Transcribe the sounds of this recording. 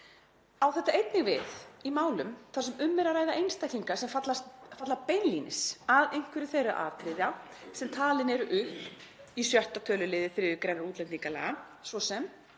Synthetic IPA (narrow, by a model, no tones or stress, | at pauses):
awθɛht̪aʔejt̪nɪɣvɪ̰ðimaːwlʏmθasɛmʏmːɛɾaɾaːjðaʔejnst̪ajkiŋkasɛmfat̪last̪fat̪lapejnlinɪ̰saðejŋ̥kvɪɾʏθejra̰ʔa̰ːt̪ɾɪðja | sɛmt̪ʰaːlɪnɛɾʏʔʏhp | isjœht̪at̪ʰœːlʏlɪːðɪθɾɪʏkɾɛnaɾuːt̪lɛnt̪iŋkala̰ | svɔsɛm